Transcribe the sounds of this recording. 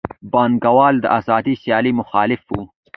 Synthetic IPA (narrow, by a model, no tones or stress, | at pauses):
bɑːnɡɐwɑːld̪ə̰ʔaːzɑːd̪isijɑːlimʊxɑːlɪfu